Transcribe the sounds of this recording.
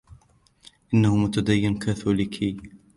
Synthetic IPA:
ʔɪnːahʊmʊt̪ad̪ajːɪnkaːθulɪkʰi

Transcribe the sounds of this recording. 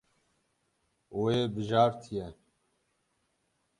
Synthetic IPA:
oːjeːbɨʒɑːɾt̪ʰijɛ

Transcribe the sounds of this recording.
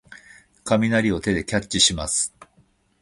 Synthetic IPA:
kamʲinaɾʲio̞t̪e̞d̪e̞kʲat͡ɕt͡ɕːiɕimasɨ̥

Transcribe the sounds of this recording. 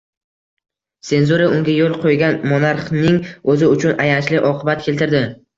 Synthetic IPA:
se̞nzuɾaʊŋɡʲajolˠqʰojɡʲanmonaɾχnɪŋɵzɪʊt͡ʃʰʊnʔajant͡ʃlɪʔɒqʰɨbat̪̚kʲe̞lt̪ɪɾd̪ɪ

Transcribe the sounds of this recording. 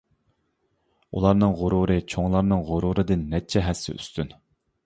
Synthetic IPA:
ṵlˠɑɾnɨŋʁʊɾuɾɨt͡ʃʰoŋlˠɑɾnɨŋʁʊɾuɾɨd̪ɨnːɛt͡ʃʰɛɦɛsːɪ̰y̰st̪yn

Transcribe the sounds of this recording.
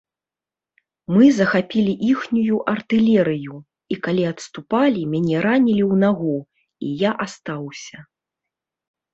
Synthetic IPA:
mɨzɐxapʲilʲiʔixnʲujuʔɐrt̪ɨlʲɛɾɨju | ikalʲiɐt̪st̪upalʲimʲanʲɛɾanʲilʲiwnaɣu | ijaʔast̪awsʲɐ

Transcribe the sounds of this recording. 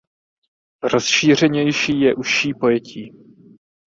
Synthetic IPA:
ɾosʃiːr̝ɛɲɛjʃiːjɛʔuʃiːpo̞jɛcʰiː

